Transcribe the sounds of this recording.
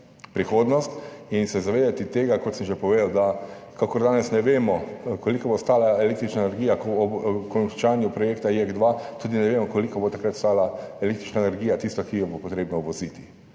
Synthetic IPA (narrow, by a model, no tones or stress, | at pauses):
pɾixoːd̪nɔst̪insɛzaʋeːd̪at̪it̪eːɡakot̪sɛmʒepɔʋeːd̪əld̪a | kakɔɾd̪aːnɛsnɛʋemɔkɔlikɔbost̪aːlaeleːk̚t̪ɾit͡ʃnaenɛɾɡijakɔkɔt͡ʃaːnjupɾɔjeːkt̪aiɛɡd̪ʋat̪uːd̪inɛʋeːmɔkɔlikɔbot̪akɾat̪st̪aːlaelekt̪ɾit͡ʃnaenɛɾɡiːjat̪ist̪akijɔbopɔt̪ɾeːbnɔuʋɔzit̪i̥